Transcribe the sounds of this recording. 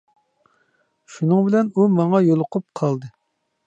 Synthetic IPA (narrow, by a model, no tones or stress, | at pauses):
ʃunɨŋbɪlɛnumɑŋɑjolˠʊqʰʊp̚qʰɑlˠd̪ɨ